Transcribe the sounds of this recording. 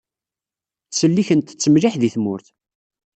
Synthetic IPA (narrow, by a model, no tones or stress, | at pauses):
səlːiçənt̪t͡sːəmliħðiθmʊ̰ɾθ